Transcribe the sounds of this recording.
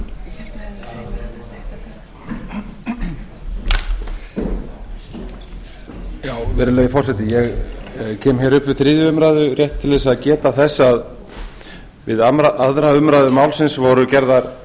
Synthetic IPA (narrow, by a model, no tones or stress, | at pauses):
jaːwvɛːɾɪlɛːjɪfɔr̥sɛt̪ɪjɛɣcʰɛːmçɛːɾʏpvɪðθɾiːðjʏʏmɾaðʏrjɛht̪t̪ʰːɪlɛsaðcɛːt̪aθɛsːað | vɪðamaʔaðɾaʏmɾajðʏmaːwlsɪnsvɔɾʏcɛɾðaɾ